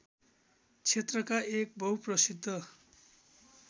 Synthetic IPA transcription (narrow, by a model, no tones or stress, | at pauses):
t͡sʰet̪rʌkaʔek̚bʱʌwprʌsid̪ʱːʌ